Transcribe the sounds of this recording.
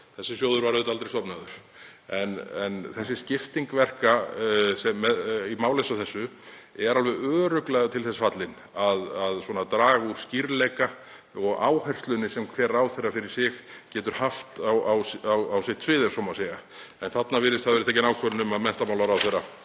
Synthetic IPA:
θɛsːɪsjoːwðʏɾvaɾʏt̪alt̪ɾejst̪ɔpnaðʏɾ̥ɛnɛnθɛsːɪscɪft̪iŋkvɛr̥kasɛmːɛðimaːwlejsaθɛsːʏ | ɛɾalvɛðœːɾʏklɛɣat̪ʰɪlθɛsḁfat̪lɪn | aðaðswɔːnat̪ɾaːɣusciɾlɛjka | ɔɣa̰ːwhɛr̥st̪lʏnːɪsɛmkʰvɛːɾawθejrːafɪɾɪɾ̥sɪxcɛːt̪ʏɾ̥haft̪awawsawawsɪht̪svɪːðɛɾ̥sɔmaseːɣaɛnθat̪navɪɾɪst̪θaðvɛɾt̪ʰɛːcɪnaːwkʰœɾʏnʏmaðmɛn̥t̪amaːwlaɾawθejrːa

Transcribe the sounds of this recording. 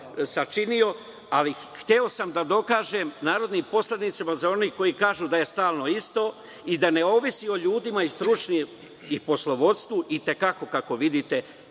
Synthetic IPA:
sat͡ʃinio̞ | alixt̪eo̞samd̪ad̪o̞kaːʒemnaːɾo̞d̪nimpo̞sled̪nit̪samazao̞niko̞jikaːʒuːd̪aje̞st̪aːlˠno̞ist̪o̞ː | id̪ane̞o̞ʋisio̞ʎuːd̪imaist̪ɾut͡ʃni | ipo̞slˠo̞ʋo̞d̪st̪ʋuʔit̪e̞kako̞kako̞ʋid̪it̪e̞

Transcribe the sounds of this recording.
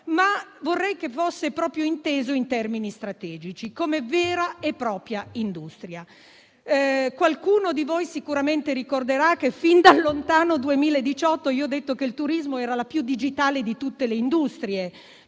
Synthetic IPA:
mavorːɛjk̟efosːepɾɔːpɾjoint̪eːzoint̪ɛrminist̪ɾat̪ɛːd͡ʒit͡ʃikoːmevɛːɾaepːɾɔːpɾjaind̪ust̪ɾja | kwalkuːnod̪ivojsikuɾament̪eɾikord̪eɾak̟ːefind̪alːont̪aːnod̪uemiːlaed̪it͡ʃɔt̪ːoiːoɔd̪ːet̪ːokeilt̪uɾizmoɛːɾalapjud̪ːid͡ʒit̪aːled̪it̪ut̪ːeleind̪ust̪ɾie

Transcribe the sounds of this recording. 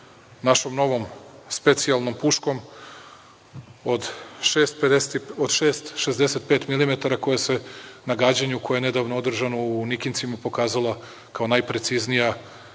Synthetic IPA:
naʃo̞mno̞ʋo̞mspe̞t̪sialˠno̞mpuʃko̞m | od̪ʃeːst̪ped̪eod̪ʃeːst̪ʃe̞zd̪e̞set̪̚pe̞ːt̪milimet̪aɾako̞jese̞naɡaːd͡ʑaɲeukʰojene̞d̪aʋnood̪r̩ʒano̞unikint̪simapo̞kaːzalˠa | kao̞najpɾe̞t̪siznija

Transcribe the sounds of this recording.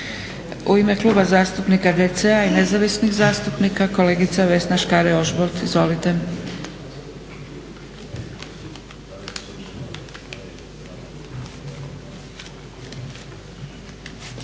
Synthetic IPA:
uime̞kluːbazaːst̪upnikad̪et̪seaine̞zaʋisnixzaːst̪upnikakole̞ːɡit̪saʋe̞snaʃkaɾeoʒboɾt̪izʋo̞lit̪e

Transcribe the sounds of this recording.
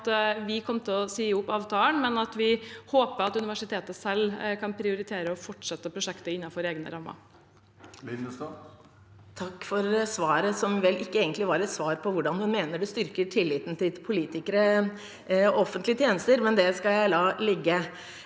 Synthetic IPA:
t̪ʋɪkʰɔmːt̪ʰɛlɔsiːʊpːɑːʋt̪ʰɑːlənmɛnɑt̪ʋɪhoːpəɑt̪ʉnɪʋæʂɪt̪ʰeːt̪əsɛlːkʰɑnpʰɾɪʊɾɪt̪ʰeːɾəɔfɔʈːʂɛt̪ːəpʰɾʊʂɛkt̪əɪnːɑfɔɾeːɡnə̰ɾɑmːɑ̰ | t̪ʰɑkːfɔɾsʋɑːɾəsɔmʋɛlʔɪkːəeːɡənt̪lɪʋɑɾɛt̪sʋɑːɾpʰɔʋʊɖɑnhʉnmeːnəɖɛst̪ʏɾkəʈʰɪlːiːt̪n̩t̪ʰɪlpʰʊliːt̪ɪkəɾə | ɔfːənt̪lɪət̪ʰjeːnəst̪əɾmɛnd̪ɛskɑljæɪlɑːlɛɡːə

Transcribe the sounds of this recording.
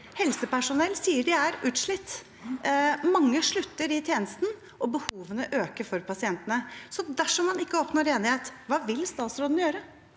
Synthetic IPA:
hɛlsəpæʂʊnɛlːsiːəɖɛæɾʉːt̪ʂɭɪt̪ː | mɑŋːəʂɭʉt̪ːəɾɪt̪ʰjeːnəst̪n̩ | ɔbəhuːʋənəʔøːkəɾfɔɾpʰɑsɪɛnt̪ənəsɔd̪æʂɔmːɑnɪkːəɔpnoːɾeːnɪheːt̪ʋɑːʋɪlst̪ɑːt̪sɾoːd̪n̩jøːɾə

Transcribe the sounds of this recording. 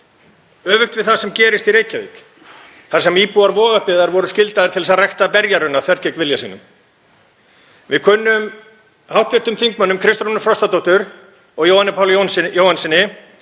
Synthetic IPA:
œːvʏxt̪vɪðθaðsɛmcɛːɾɪst̪iɾeːjcavḭːk | θaɾ̥sɛmiːpuaɾvɔːɣahpɪðaɾvɔɾʏscɪlt̪aðɪɾ̥t̪ʰɪlɛsaðrajht̪apɛɾjaɾʏnːaθvɛɾ̥cɛkvɪljasḭːnʏ̰m | vɪðkʰœːnːʏm | hawht̪vɪɾ̥t̪ʏmθiŋkmœnːʏmkʰɾɪst̪ɾunʏfɾɔst̪at̪ɔwt̪ʏɾ | ɔɣjoːwhanːɪpʰaːwljonjoːwhansɪnɪ

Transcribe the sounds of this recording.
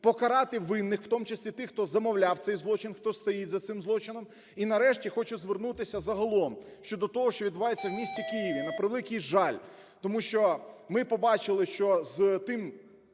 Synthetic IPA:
pɔkɐɾɑt̪ɪʋɪnːɪxw̥t̪ɔmut͡ʃɪsʲlʲit̪ɪxt̪ɔzɐmɔwlʲawt̪sɛjzlˠɔt͡ʃɪnxt̪ɔst̪ɔjitʲzɐt̪sɪmzlˠɔt͡ʃɪnɔm | inɐɾɛʃtʲixɔt͡ʃʊzʋernut̪ɪsʲɐzɐɦɐlˠɔmʃt͡ʃɔd̪ɔt̪ɔɦɔʃt͡ʃɔʋʲd̪bʊʋɑjet͡sʲːɐwmʲisʲt͡sʲikijiʋʲinɐpɾɪʋlˠɪkʲijʒɑlʲ | t̪ɔmuʃt͡ʃɔmɪpɔbɑt͡ʃɪlˠɪʃt͡ʃɔzt̪ɪm

